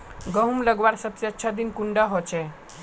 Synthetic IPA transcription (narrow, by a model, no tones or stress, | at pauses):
ɡəɦumləɡʋaɾsəbseətːʃʰad̪inkuɳɖəɦot͡ʃʰe